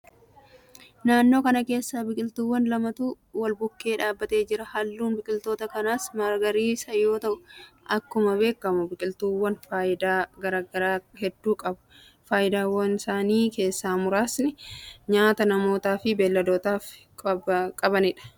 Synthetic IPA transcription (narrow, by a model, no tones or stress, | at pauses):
naːnːo̞ːkɐnɐke̞ːsːaːbɪkʼɪlt̪uwːɐnlɐmɐt̪uː | wɐlbʊkːe̞ːᶑaːbːɐt̪e̞ːd͡ʒɪɾɐhɐlːuːnbɪkʼɪlt̪o̞ːt̪ɐkɐnaːsmɐɾɡɐɾiːsɐjo̞ːt̪ɐʔʊʔɐkːʊmɐbe̞ːkːɐmʊbɪkʼɪlt̪uːwːɐnfaːɪd̪aːɡɐɾaːɡɐɾaːhɛd̪ːuːkʼɐbʊ̥ | faːjɪd̪aːwɐnɪsaːniːke̞ːsːaːmʊɾaːsnɪɲaːt̪ɐnɐmo̞ːt̪aːfɪbɛlːɐd̪o̞ːt̪aːf | kʼkʼɐbɐnɪᶑɐ̥